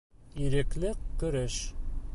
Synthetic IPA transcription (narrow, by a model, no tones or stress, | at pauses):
iɾɘ̆klɘkkːɵ̆ɾɘʃ